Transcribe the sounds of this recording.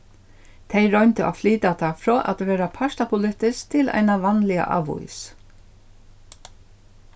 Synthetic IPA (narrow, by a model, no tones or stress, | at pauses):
t̪ʰejɾɔɥnt̪ɪʔa̰fliːt̪at̪ʰafɾɔːʔat̪ʋeːɾapʰaʂt̪apʰʊlɪht̪ɪskt̪ʰɪlʔa̰jnaʋanlɪa̰ʔa̰ːʋṵjs